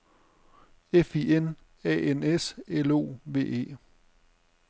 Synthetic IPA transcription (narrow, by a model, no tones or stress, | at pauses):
efien | ɛ̰eneselo̝̰ːʋe̝̰ːe̝̰ː